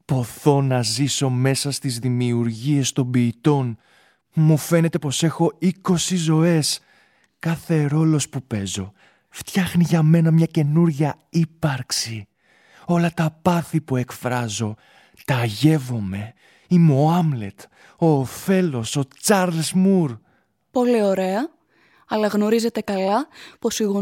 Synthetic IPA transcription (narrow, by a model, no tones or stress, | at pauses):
po̞θo̞nɐziso̞me̞sɐst̪izðimiuɾʝie̞st̪o̞mbiːt̪o̞n | mufe̞ne̞t̪e̞po̞se̞xo̞iko̞sizo̞e̞s | kɐθe̞ɾo̞lo̞spupe̞zo̞ | ft̪çɐxniʝɐme̞nɐmɲɐce̞nuɾʝɐ | ipɐɾksi | o̞lɐt̪ɐpɐθipue̞kfɾɐzo̞ | t̪ɐʝe̞vo̞me̞ | imeoɐmle̞̰t̪ | o̞ːfe̞lo̞so̞t͡sɐɾlzmuɾ | po̞lio̞ɾe̞ɐ | ɐlɐɣno̞ɾize̞t̪e̞kɐlɐpo̞siɣo